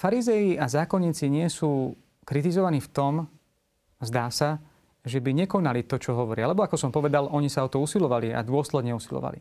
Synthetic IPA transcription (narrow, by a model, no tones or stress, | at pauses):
faɾizɛjiazaːkɔɲːiːt͡siɲɪɛsuː | kɾit̪izɔʋaniːft̪ɔm | zd̪aːsa | ʒɛbiɲɛkɔnalit̪ɔt͡ʃɔɦɔʋɔɾɪaalɛbɔakɔsɔmpɔʋɛd̪alʔɔɲisaɔt̪ɔusilɔʋalia̰d̪ʊɔslɛd̪ɲɛusilɔ̰ʋa̰lḭ